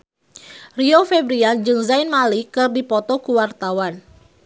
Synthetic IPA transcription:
riofɛbɾiand͡ʒɨŋzainmalikɨrdipɔt̪ɔkuwart̪awan

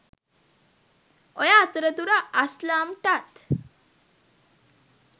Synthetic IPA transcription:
ɔjat̪ɾət̪uɾaaslamʈat̪

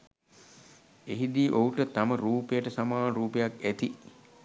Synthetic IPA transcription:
eɦid̪iːʔouʈət̪aməɾuːpejəʈəsamaːɾuːpejakæt̪i

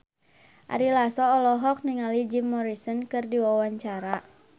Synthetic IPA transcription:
ʔa̰ɾilasɔːlɔɦɔk̚niŋalid͡ʒimːɔɾisɔnkɨrdiwawaɲt͡ʃaɾa

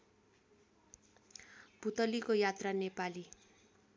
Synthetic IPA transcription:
bʱut̪ʌlikojat̪ranepali

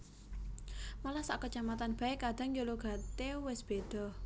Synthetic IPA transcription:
malahsaʔkət͡ʃamat̪anb̥a̤ekad̪̥a̤ŋjoluɡ̥ä̤t̪ewɪsb̥ed̪̥ɔ̤

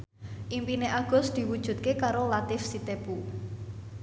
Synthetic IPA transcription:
ʔimpineʔaɡ̥ʊ̤sd̪̥i̤wud̥ʒ̥ṳt̪̚kekaɾolat̪ɪfsit̪ebu

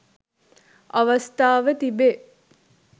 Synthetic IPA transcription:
aʋast̪aːʋət̪ibe

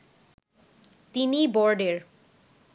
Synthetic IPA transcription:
t̪inibɔɾɖeɾ

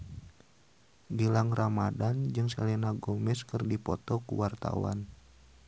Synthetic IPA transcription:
bilaŋramadand͡ʒɨŋsɛlɛnaɡɔmɛskɨrdipɔt̪ɔkṵwart̪a̰wa̰n

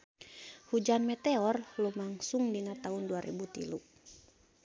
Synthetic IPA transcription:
hud͡ʒanmɛt̪ɛɔrlumaŋsuŋdinat̪aɦunduaɾʔɛ̰but̪ḭlu

